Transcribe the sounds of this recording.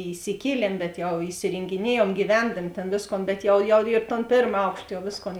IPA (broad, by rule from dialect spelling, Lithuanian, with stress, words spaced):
iːsʲɪˈkʲiɛlʲiɛm bʲɛt ˈjɛʊ ɪsʲɪrʲeːŋʲɡʲɪˈnʲiɛjuɔm ɡʲiːˈʋʲɛndɐmʲɪ ˈtʲeːn ˈʋʲeːsˌkoːn bʲɛt ˈjɛʊ jɛʊ ɪr toːn ˈpʲeːrm ˈɐʊkʃt jɛʊ ˈʋʲeːsˌkoːn